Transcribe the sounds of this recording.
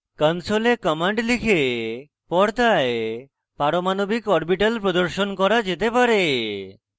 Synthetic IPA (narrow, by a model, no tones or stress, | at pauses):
kənsolekɔmaɳɖlikʰe | pɔɾt̪ae | paɾomanobikɔɾbiʈəlpɾod̪oɾʃonkɔɾad͡ʑet̪epaɾe